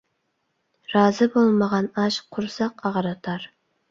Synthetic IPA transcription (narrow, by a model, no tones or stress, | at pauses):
ɾɑːzɨbolˠməʁɑnɑʃqʰʊɾsɑqɑʁɾɑt̪ʰɑɾ